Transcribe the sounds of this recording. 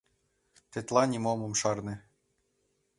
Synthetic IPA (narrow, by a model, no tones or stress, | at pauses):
t̪et̪lˠɑnʲimomɤ̆mʃɑrnɘ̆